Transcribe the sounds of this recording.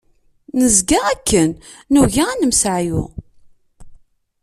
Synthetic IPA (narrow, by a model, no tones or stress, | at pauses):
nəzɡaʁækːənː | uʝaænəmsʕjṵ